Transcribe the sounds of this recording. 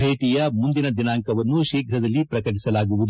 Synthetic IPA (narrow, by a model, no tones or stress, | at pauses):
eːʈijɐmund̪inɐd̪inaːŋkɐʋɐnːuʃiːkʰɾɐd̪ɐlːipɾɐkɐʈ̬isɐlaːɡuʋud̪u